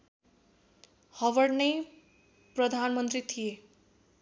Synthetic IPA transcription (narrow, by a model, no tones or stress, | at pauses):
hʌʋʌɖnʌj | prʌd̪ʱanmʌnt̪rit̪ʰije